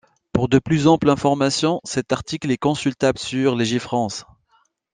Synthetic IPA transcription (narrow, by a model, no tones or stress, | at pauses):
puʁd̪əplyzɑ̃plɛ̃fɔʁmasjɔ̃sɛt̪aʁt̪iklɛkɔ̃sylt̪ablsyʁleʒifχɑ̃s